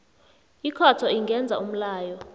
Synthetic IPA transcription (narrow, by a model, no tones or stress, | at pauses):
ikʰatʰɔiŋɡʱɛnd͡zʱa̰um̩laːjɔ